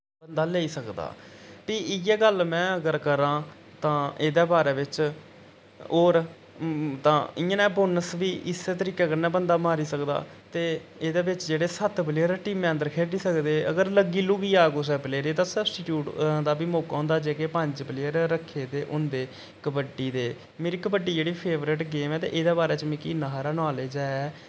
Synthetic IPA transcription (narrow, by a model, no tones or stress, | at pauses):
bənd̪aːleːiːsəkd̪a̰ːpiːɪjɛːɡəlmɛ̃ːəɡəɾkəɾãː | t̪ãːʔeːd̪eːbaːɾeːʋɪt͡ʃ | oːɾ | t̪ãːɪjãːnɛːboːnəsʋiːʔɪseːt̪əɾiːkeːəɡəɾnɛːbənd̪aːmaːɾiːsəkd̪a̰ː | t̪eːeːd̪eːbɪt͡ʃd͡ʒeːɽeːsət̪bəlɪjəɾeːʈiːmẽːənd̪əɾkʰeːɖiːsəkd̪eːəɡəɾləɡiːluːɡiːaːɡoːs̬ɛbleːɾeːt̪ãːsəbsʈiʈjuːʈd̪aːbiːmoːkaõːnd̪aːd͡ʒeːkeːpəɲd͡ʒbəlɪːəɾɾəkʰːeːd̪eːʔʊnd̪eː | kəbəɖiːd̪eː | meːɾiːkəbəɖːiːd͡ʒeːɽiːpʰeːʋɾɪʈɡeːmɛːt̪ḛːʔeːd̪eːbaːɾeːt͡ʃmɛ̃ːkiːnəɦaːɾaːnaːleːd͡ʒaːɛː